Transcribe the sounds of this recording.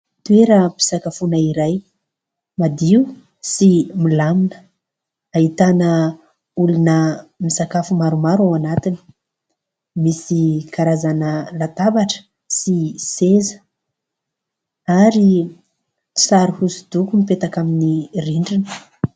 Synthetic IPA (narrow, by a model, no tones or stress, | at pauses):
t̪ueɾəpi̥sakafunaiɾaj | mad̪iu | similaminə̥ | aɦit̪anə | ulunəmisakafumaɾumaɾawanat̪ini̥ | misikʰaɾazanəlat̪abaʈ͡ʂə̥ | sisezə̥ | aɾi | saɾihusud̪ukumipet̪akaminiriɳɖ͡ʐinə̥